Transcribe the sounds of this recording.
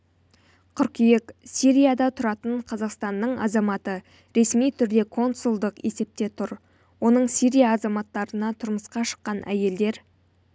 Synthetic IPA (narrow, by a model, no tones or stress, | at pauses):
qʰʏɾkʲijeksiɾʲijad̪ɑt̪ʰʊɾɑt̪əɴqʰɑzɑqst̪ɑnːəɴɑ̰zɑmɑt̪ə | ɾe̞smijt̪ʰʏɾd̪e̞kʰo̞nsulˠd̪əqe̞se̞p̚t̪e̞t̪ʰʊɾ | wo̞nəɴsiɾʲijaːzɑmɑt̪ːɑɾənɑt̪ʰʊɾməsqɑʃə̥qːɑnʔæ̰je̞ld̪e̞ɾ